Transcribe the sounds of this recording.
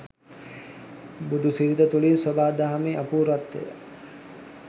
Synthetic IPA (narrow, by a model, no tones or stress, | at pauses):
bud̪ʱusiɾit̪ət̪ulinsobaːd̪aɦameːʔapuːɾat̪ːḛjə̰